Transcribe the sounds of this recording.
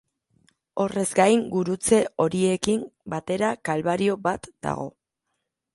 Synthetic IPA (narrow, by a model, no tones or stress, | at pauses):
o̞re̞zɡajŋɡuɾut͡se̞o̞ɾie̞kimbat̪e̞ɾakalβaɾio̞bat̪d̪̥a̰ɣ̞o̞̰